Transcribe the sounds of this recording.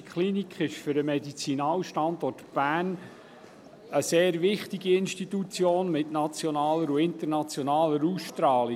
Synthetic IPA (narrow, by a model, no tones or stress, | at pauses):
kχlinikχɪʃfʏɾəmɛdit͡sinɑːwʃtɑnd̪ɔrtb̥æːn | əseːɾvɪχtiɡiɪnʃtit̪ut͡sjoːnmɪtnɑt͡sjɔnɑːləɾuɪntərnɑt͡sjɔnɑːləɾuːsʃtɾɑːli